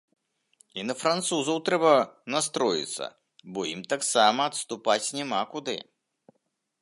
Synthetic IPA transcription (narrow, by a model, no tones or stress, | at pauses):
inɐfɾant̪suzɐwt̪ɾɛbɐnast̪ɾɔjḭt̪sːɐ̰ | bɔjimt̪aksamɐɐt̪st̪upat͡sʲnʲɛmakud̪ɨ̰